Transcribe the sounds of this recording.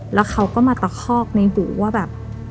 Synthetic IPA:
lɛː˦˥kʰa˦˥wkɔː˥˩maː˧t̪a˨˩kʰɔː˥˩k̚na˧jɦuː˨˩˦waː˥˩bɛː˨˩p̚

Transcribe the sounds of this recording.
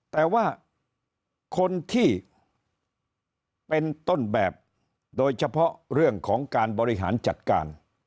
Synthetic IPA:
t̪ɛː˨˩waː˥˩ | kʰo˧nt̪ʰiː˥˩ | pe˧nt̪o˥˩nbɛː˨˩p̚ | doː˧jt͡ɕʰa˧pʰɾɔ˦˥ʔɾɯ˥˩əŋkʰɔː˩˦ŋkaː˧nbɔː˧ɾi˦˥ɦa̰ː˩˦nt͡ɕa˨˩t̪̚ka̰ː˧n

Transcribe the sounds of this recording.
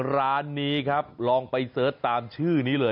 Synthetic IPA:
ɾaː˦˥nːiː˦˥kʰa˦˥p̚lɔː˧ŋpa˧jsɤː˦˥t̪ːaː˧mt͡ɕʰɯː˥˩niː˦˥lɤː˧

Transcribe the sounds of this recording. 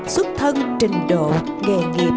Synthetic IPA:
sʊ˦˥t̚t̪ʰə˧nt͡ɕï˨˩ŋ̟ɗo̰˧˨ | ŋe˨˩ŋḭ˨

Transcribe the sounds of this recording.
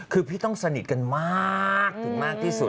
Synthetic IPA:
kʰɯː˧pʰiː˥˩t̪ɔ˥˩ŋsa˧ni˨˩t̪̚ka˧nmaː˥˩˥k̚t̪ʰɯ˨˩˦ŋmaː˥˩k̚t̪ʰiː˥˩su˨˩t̪̚

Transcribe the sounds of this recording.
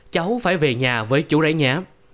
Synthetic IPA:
t͡ɕa˨˦wfaː˧˩jve˨˩ɲaː˨˩vəː˨˦jt͡ɕu˧˥za̰˧˥jɲaː˨˦m

